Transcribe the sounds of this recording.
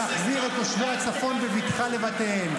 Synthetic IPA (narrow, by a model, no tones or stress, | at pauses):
aχziʁetoʃvoat͡safo̞nbevitχale̞vateen